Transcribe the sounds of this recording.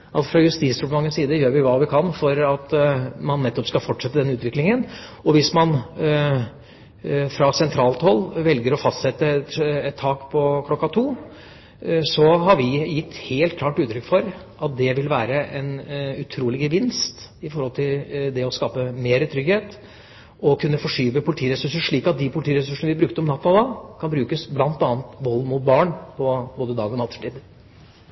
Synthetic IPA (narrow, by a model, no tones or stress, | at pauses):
ʔɑt̪fɾɑjʉst̪iːsɾʊləmɑŋːənsiːd̪əjøːɾʋɪʋɑːʋɪkʰɑnfɔɾɑt̪mɑnːɛt̪ːɔpskɑlfɔʈʂɛt̪ːəd̪ɛnːəʉːt̪ʋɪklɪŋənɔʋɪsmɑn | fɾɑsɛnt̪ʰɾɑːlt̪hɔlːʋɛlɡəɾɔfɑst̪sɛt̪ːət̪ɛt̪ʰːɑːkpʰɔkʰlɔkːɑt̪ʰuː | sɔɦɑɾʋɪjɪt̪ːheːlt̪̚kʰlɑːʈʉːt̪ɾʏkːfɔɾ | ʔɑt̪̚d̪ɛʋɪlʋæːɾəʔɛnʉt̪ʰɾuːlɪɡəʋɪnst̪ɪfɔɾhɔlt̪ʰɪld̪ɛɔskɑːpəmeːɾət̪ʰɾʏɡheːt̪ | ɔkʰʉnːəfɔʂyːʋəpʰʊlt̪iːəɾɛsʉʂəʂɭiːkɑt̪̚d̪ɪpʰʊlt̪iːəɾɛsʉʂənəʋɪbɾʉk̚t̪əɔmnɑt̪ːɔd̪ɑːkʰɑnbɾʉːkəsblɑnt̪ɑːnt̪ʋɔlːmuːt̪̚bɑːɳpʰɔboːd̪əd̪ɑːɡɔnɑt̪ːfʈ̪iːd̪